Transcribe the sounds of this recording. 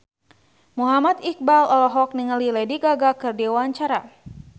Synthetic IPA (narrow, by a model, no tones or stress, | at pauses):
muɦamat̪ik̚balɔlɔɦɔk̚niŋəlilɛdiɡaɡakɨrdiwaɲt͡ʃaɾa